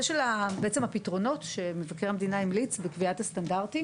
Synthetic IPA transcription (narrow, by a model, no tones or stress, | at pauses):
eʃelabeet͡semhapitʁo̞no̞tʃe̞mevakeʁhamed̪inaimlit͡sbekviatastandaʁti